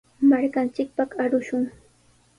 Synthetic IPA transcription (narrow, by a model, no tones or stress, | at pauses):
maɾkant͡ʃɪk̚paχaɾʊʃʊŋ